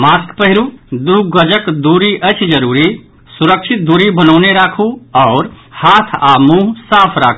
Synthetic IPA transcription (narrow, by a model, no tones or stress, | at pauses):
maːskpəɦɪɾud̪uɡəd͡ʒəkd̪uːɾiʔət͡ʃʰd͡ʒəɾuːɾi | sʊɾəkʃɪt̪̚d̪uɾibənɔːneɾaːkʰuɔːɾ | haːt̪ʰaːmuɦsaːpʰɾa̰ːkʰ